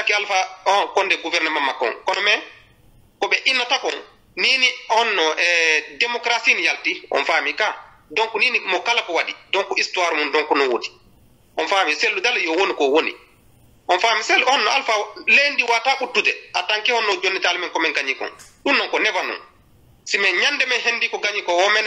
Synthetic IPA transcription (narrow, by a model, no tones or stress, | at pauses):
takːialfaɔkɔndɛɡuvɛɾnɛmamːakːɔ̰nkɔnɔmɛ | kɔɓɛʔinːatakɔn | niːniɔnːɔʔɛdɛmɔkɾasinijaltiʔɔ̰nfaːmika | dɔŋkuniːnimɔkalakɔwadidɔŋkuʔistuwaɾumundɔŋkunɔnwodi̥ | ʔɔnfamiselːudaljɔwonikɔwonḭ | ʔɔnfaːmisɛlhɔnːɔalfalendiwataʔutːudɛ̰ataŋkɛhɔnːɔd͡ʒonːitalmɛnkɔmɛɡaɲikɔ̰nɗunːɔŋkɔnɛvanɔ̰n | simɛɲandɛmɛnɦendikɔɡaɲikɔwɔmɛn